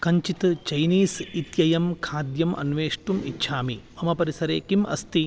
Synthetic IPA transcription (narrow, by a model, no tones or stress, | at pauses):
kɐɲt͡ʃit̪t͡ʃɐjniːsit̪jɐjɐmkʰaːd̪jɐmʔɐ̰nʋeːʂʈumitːʃʰaːmiɐmɐpɐɾisɐɾeːkimʔɐ̰st̪i